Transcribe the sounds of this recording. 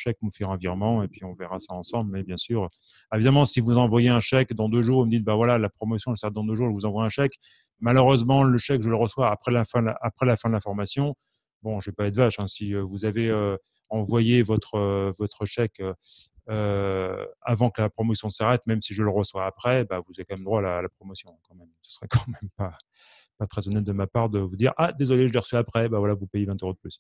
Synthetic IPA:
ʃɛk̚mufɛʁɑ̃viʁmɑ̃epɥiɔ̃vɛʁasaɑ̃sɑ̃blmɛbjɛ̃syʁ | evid̪amɑ̃sivuzɑ̃vwajeɛ̃ʃɛkd̪ɑ̃d̪øʒuːʁməd̪it̪̚bavwalalapχɔmɔsjɔ̃ɛlsaʁɛt̪̚d̪ɑ̃d̪øʒuʁʒəvuzɑ̃vwaɛ̃ʃɛk | maløʁøzmɑ̃ləʃɛkʒələʁəswaːpχɛlafɛ̃d̪apχɛlafɛ̃d̪əlɛ̃fɔʁmasjɔ̃ | bɔ̃ʒəvɛpaɛd̪vaʃɛ̃siøvuzaveø | ɑ̃vwajevɔt̪χəvɔt̪χəʃɛkøː | a̰vɑ̃kəlapχɔmɔsjɔ̃saʁɛt̪mɛmsiʒələʁəswaːpχɛbavuzavekɑ̃mɛmd̪ʁwaːlaːlapχɔmɔsjɔ̃ɛ̃kɑ̃mɛmsə̥sʁɛkɑ̥̃mɛmpa | pat̪χɛzɔnɛt̪̚d̪əmapaʁd̪əvud̪iʁʔad̪ezɔleʒəleʁəsyapχɛbavwalavupejevɛ̃t̪øʁod̪əplys

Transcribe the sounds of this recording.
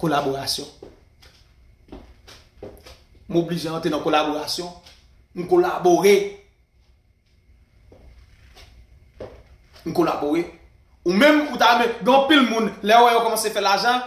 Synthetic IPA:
kolaboʁasjɔ̃ | m̩obliʒeãt̪ʁenãkolaboʁasjɔ̃ | ŋ̩kolaboʁe | n̩kolaboɣe | umɛ̃mutamɛ̃ɡẽʌ̃pilmũnlɛowɛjokɔmãsefɛlaʒʌ̃

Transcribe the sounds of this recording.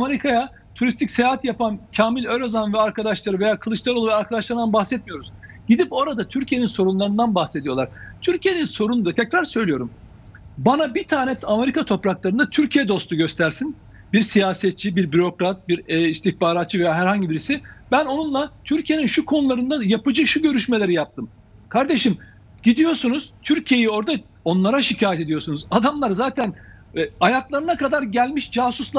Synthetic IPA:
ame̞ɾikʰaja | t̪ʰuɾist̪ʰicʲse̞jaːɦat̪japancʰaːmilʲøɾazanvɛaɾkʰad̪aʃlˠaɾɯve̞jaːkʰɯlˠɯt͡ʃlˠaɾouvaɾkʰad̪aʃlˠaɾɯnd̪anbaxsɛt̪̚mijo̞ɾuz̥ɟ̥id̪ipo̞ɾad̪at̪ʰyɾcʰije̞ninso̞ɾunlˠaɾɯnd̪anbaxse̞d̪ijo̞lˠaɾ̥t̪ʰyɾcʰije̞ninso̞ɾunud̪at̪ʰɛcɾaɾsø̞jlʲijo̞ɾum | banabit̪ʰaːnɛame̞ɾikʰat̪ʰo̞pɾaklˠaɾɯnd̪at̪ʰyɾcʰijɛd̪o̞st̪uɟø̞st̪ʰæɾsin | biɾsijaːsɛt̪̚t͡ʃʰibiɾbyɾo̞kɾat̪̚biɾɛist̪içbaːɾat̪̚t͡ʃɯve̞jaːɦæɾhaɲɟibiɾisibæno̞nunlˠat̪ʰyɾcʰije̞ninʃukʰo̞nulˠaɾɯnd̪ajapɯd͡ʒɯʃuɟø̞ɾyʃmelʲe̞ɾijap̚t̪ʰɯm | kʰaɾd̪e̞ʃim | ɟ̥id̪ijo̞ɾsunuz̥t̪ʰyɾcʰije̞jio̞ɾd̪a | o̞nlˠaɾaʃicʰaːjɛt̪e̞d̪ijo̞ɾsunuzad̪amlˠaɾzaːt̪ʰæn | ajaklˠaɾɯnakʰad̪aɾɟælʲmiʃd͡ʒaːsuslˠa

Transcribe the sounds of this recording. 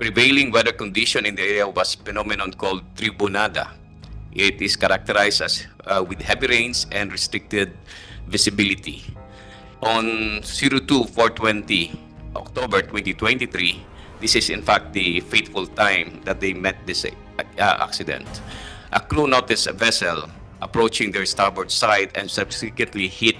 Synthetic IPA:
pɹɪvejlɪ̃ŋwɛd̪əɹkɔ̃nd̪ɪʃɔ̃nɪ̃nd̪iɛɹiawɐsfɛnɔmɪnɔ̃nkɔld̪̚t̪ɾibʊnad̪a̰ | ʔɪt̪ɪskɐɾak̚t̪ɛɾajsaswɪd̪hɛviɹẽj̃nsʔɛ̃nd̪ɹɛst̪ɾɪk̚t̪ɛd̪̚ | vɪsɪbɪlɪt̪i | ʔɔ̃nsiɾot̪ufɔɹt̪wɛ̃nt̪i | ʔɔ̰k̚t̪obɛɹt̪wɛ̃nt̪it̪wɛ̃nt̪iθɾi | d̪ɪsɪsɪ̰̃nfak̚t̪̚d̪ifejt̪fʊlt̪ãjmd̪ɐt̪̚d̪ejmɛt̪̚d̪ɪs | ʔa̰ksɪd̪ɛ̰̃nt̪ʔɐkɹunot̪ɪsvɛsɛl | ʔɐpɹowt͡ʃɪ̃ŋd̪ɛɹst̪aɹbɛɹsajd̪ɛ̰̃nsʌbsɪkwɛ̃nt̪lihɪt̪̚

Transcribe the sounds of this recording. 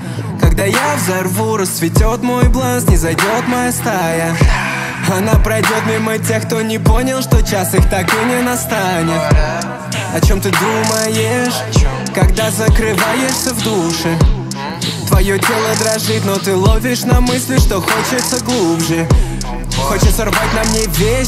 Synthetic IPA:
kɐɡd̪ajavzɐrvuɾəsvʲɪtʲot̪mo̞jblˠansnʲɪzajdʲo̞t̪mɐjast̪ajə | ɐnapɾɐjdʲo̞t̪mʲimːət̬ʲe̞xk̚t̪o̞nʲɪpo̞nʲɪlˠʂt̪o̞t͡ɕasixt̪akɨnʲɪnast̪anʲɪt̪ | ɐt͡ɕo̞mt̪ɨd̪ɾuməjeʂ | kɐɡd̪azəkɾɨvajɪʂsʲəvd̪uʂɨ | t̪vɐjo̞dʲe̞lˠəd̪ɾɐʐɨt̪ʲno̞t̪ɨlˠovʲɪʂnamɨsʲlʲɪʂt̪o̞xo̞t͡ɕɪt̪səɡlˠubʐɨ | xo̞t͡ɕɪt̪sərvat̚ʲnɐmnʲevʲesʲ

